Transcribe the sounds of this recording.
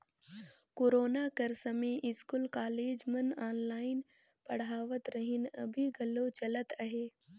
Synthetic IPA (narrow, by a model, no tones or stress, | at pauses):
koːɾoːnakəɾsəmeʔɪskulkaːleːd͡ʒmənaːnlaːɪn | pɐɽ̤aːʋət̪ɾəɦɪnə̰bʱiɡʱɐlːoːt͡ʃɐlət̪əɦeː